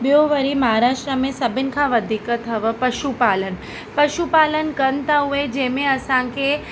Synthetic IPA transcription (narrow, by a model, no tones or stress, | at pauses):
bjoʋəɾiməɦaɾaːʃʈɾəmẽsəbɪnkʰãʋəd̪ʱikət̪ʰəʋəpəʃupalən | pəʃupalənkənt̪aɦued͡ʒemẽəsãke